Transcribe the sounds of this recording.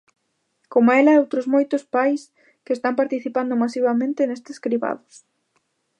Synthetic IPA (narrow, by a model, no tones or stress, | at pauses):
komɛlɐɛowt̪ɾʊzmojt̪ʊspajs | keest̪ampaɾt̪iθipand̪ʊmasiβamẽnt̪enest̪eskɾiβa̰ðʊs